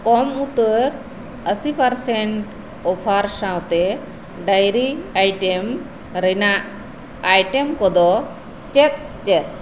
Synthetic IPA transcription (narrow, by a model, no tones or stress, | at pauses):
kɔmut̪əɾ | əsipʰaɾsɛɳʈ | ɔpʰaɾsãwt̪ɛ | ɖajɾiajʈɛm | ɾɛnaʔ | ajʈɛmkɔd̪ɔ | t͡ʃɛt̪̚ | t͡ʃɛt̪̚